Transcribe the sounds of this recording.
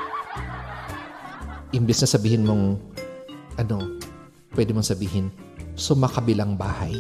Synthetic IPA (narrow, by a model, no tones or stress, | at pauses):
ʔɪmbɪsnɐsɐbiːhɪnmoŋ | ʔɐno̞ | pwɛd̪ɪmoŋsɐbiːhɪn | sʊmakɐbɪlaŋbaːhaj